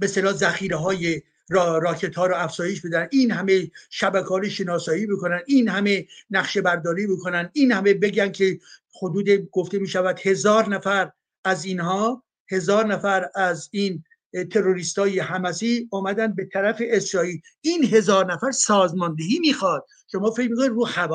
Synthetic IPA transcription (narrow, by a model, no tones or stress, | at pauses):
best̪elɒːzæxiːɾeɦɒːje | ɾɾɒːkʰe̞t̪hɒːɾɔæfz̥ɒːje̞ʃbe̞d̪ænd̪iːnɦæme̞ʃæbækʰɒːjoʃe̞nɒːsɒːiːbekonænd̪iːnhæmenæχʃe̞bæɾd̪ɒːɾiːbokʰonænd̪inhæme̞be̞ɟænkʲʰe | hod̪uːd̪eɡ̥o̞ft̪e̞miːʃævæd̪̥he̞zɒːɾnæfæɾ | æziːnhɒː | he̞zɒːɾnæfæɾæzin | t̪ʰe̞ɾoɾiːst̪ɒːjehæmæsiːɒːmæd̪ænd̪̚be̞t̪ʰæɾæfe̞esɾɒːiːl | iːnɦe̞zɒːɾnæfæɾsɒːzmɒːnd̪eɦiːmiːxɒd̪̥̚ | ʃomɒːfe̞cmiːkʰonid̪ɾuːxæb